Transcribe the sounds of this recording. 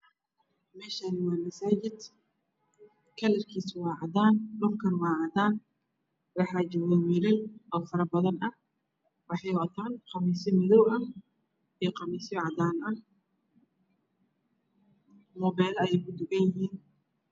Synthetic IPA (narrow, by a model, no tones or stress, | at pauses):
mɛːʃanɪwɑːmɐsaːt͡ʃɪd̪ | kʰɐlɛrkʰiːswɑːʕɑd̪aːnɖʊrkʰɐnwɑːʕɑd̪aːn | wɑħɑd͡ʒɔwɛwiɾɪlɔːfɐɾɐbɐðɐnɐh | wɑħɑjɔt̪ʰaːnqɑmiːsɪmɪðɔwʔɐ | ijɔqɑmɛːsɔʕɑd̪aːnɐ | mɔβɛːlɐɛjɛjkʊd̪ʊɡɐnjɪɦiːn